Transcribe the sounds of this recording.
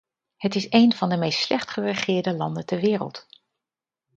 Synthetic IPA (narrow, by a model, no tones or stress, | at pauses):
hətɪsejnv̥ɑndəmejstslɛχtχərəχɪːɹdəlɑndəntɛɹʋɪːrə̰lˠt